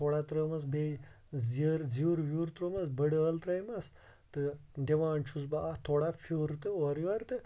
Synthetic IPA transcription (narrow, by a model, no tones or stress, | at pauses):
t̪ʰoːɽat̪ɾəːmɐsbe | zəɾzuːɾʋjuːɾt̪ɾoːmɐsbəɽəːlt̪ɾɐjmɐs | t̪ɨdeʋaːnt͡ʃʰusbaːt̪ʰoːɽafʰuːɾt̪ɨoɾjʋɐɾt̪ɨ